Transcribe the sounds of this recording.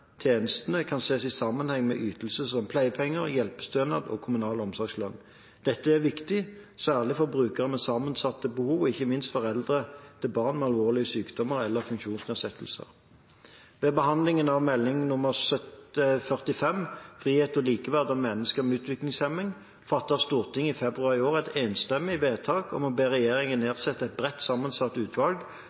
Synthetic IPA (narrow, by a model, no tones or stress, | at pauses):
t̪ʰjeːnəst̪ənəkʰɑnseːsɪsɑmːənhɛŋːmɛ̰ʔyːt̪əl̩səsɔmpʰlæɪpʰɛŋːəʁjɛlpə̥st̪øːnɑd̪ɔ̰ːkʰʊmʉnɑːləɔmsɔʁɡslœnː | d̪̥ɛt̪ːəæʁʋɪkt̪ɪsæːʁlɪfɔbʁʉːkəʁəmɛsɑːmənsɑt̪ːəbəhuːʋɪçːəmɪnst̪fɔʁɛld̪ʁət̪ʰɪbɑːʁnmɛɑlʋoːʁlɪəsyːkd̪̥ɔməʁɛlːəʁfʉŋkʃuːnsnɛːsɛt̪ʰːəl̩sə̰ʁ | ʋɛbəhɑnlɪŋənɑʋmɛlːɪŋnʊməʁsœt̪əfœʁt̪ɪfɛmfʁiːheːt̪ɔliːkəʋæʁd̪ɑmɛnːəskəʁmɛʉːt̪ʋɪklɪŋsɛmɪŋ | fɑt̪ːəʁst̪uːʁt̪ʰɪŋːɪfɛbʁʉɑʁɪoːʁæɪt̪eːnst̪ɛmːɪʋeːt̪ʰɑːkɔ̰mɔbeːʁɛjeːʁɪŋənːeːʁsɛt̪ːəɛɪt̪̚bʁɛt̪ːsɑmənsɑt̪ːʉːt̪ʰʋɑlɡ